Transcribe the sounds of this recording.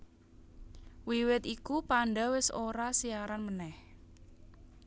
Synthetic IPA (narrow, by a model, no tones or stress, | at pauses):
wiwɪt̪ikupaɳɖawɪsoɾasiaɾanmənɛh